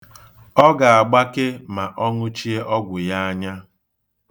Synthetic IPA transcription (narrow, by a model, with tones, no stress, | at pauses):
ɔ˦ɡa˨a˨ɡ͡ba˦kɪ˦ma˨ʔɔ˦ŋʊ˦t͡ʃi˦e˦ʔɔ˦ɡʷʊ˨ja˦a˦ɲa˦